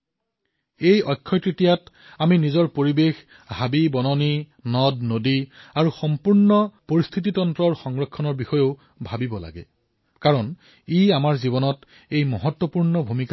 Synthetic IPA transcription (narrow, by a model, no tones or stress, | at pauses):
ejɔjkʰːɔjtɹitijat | aminizɔɹpoɹibex | habibɔnɔni | nɔdnodiaɹuxɔmpuɹnɔpoɹist̪ʰit̬itɔntɹɔɹxɔŋɹɔkʰːɔnɔɹbixɔjoʊ | bʱabibɔla̰ɡɛ̰ | kaɹɔn | iamaɹzibɔnɔt | ejmɔɦɔtwɔpuɹnɔbʱumika